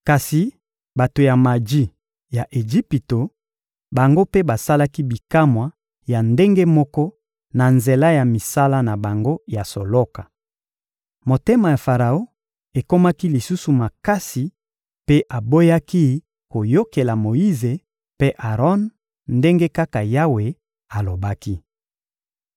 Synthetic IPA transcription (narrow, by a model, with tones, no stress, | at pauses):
ka˨si˨ | ba˨to˨ja˨ma˨d͡ʒi˦ | ja˨ʔe˨d͡ʒi˦pi˨to˨ | ba˨ŋɡo˦pe˦ba˨sa˦la˦ki˦bi˨ka˦mwa˨ | ja˨nde˦ŋɡe˦mɔ˦kɔ˦ | na˨nze˨la˦ja˨mi˨sa˦la˦na˨ba˨ŋɡo˦ja˨so˨lɔ˦ka˨ | mo˨te˦ma˨ja˨fa˨ʁa˨o˦ | e˨ko˦ma˦ki˦li˨su˦su˨ma˨ka˦si˨ | pe˦ʔa˨bo˦ja˦ki˦ | ko˨jo˦ke˨la˨mo˨ji˦ze˨ | pe˦ʔa˨ʁɔ˦n | nde˦ŋɡe˦ka˦ka˨ja˦we˨ | a˨lo˨ba˦ki˦